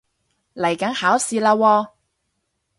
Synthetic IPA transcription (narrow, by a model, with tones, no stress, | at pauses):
lɐ˨˩jkɐ˨˥ŋhaː˨˥wsiː˨˧laː˧wɔː˧